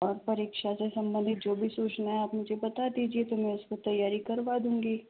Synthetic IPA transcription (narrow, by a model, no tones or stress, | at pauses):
ɔːɾpɐɾeːkʃasesɐ̃mbə̃nd̪ʱɪt̪̚d͡ʒoːbʱisuːt͡ʃnaɦɛaːpmʊd͡ʒʱebɐt̪ad̪iːd͡ʒiet̪omɛ̃ʊskot̪ɐjːaːɾikɐɾʋad̪ũːŋɡiː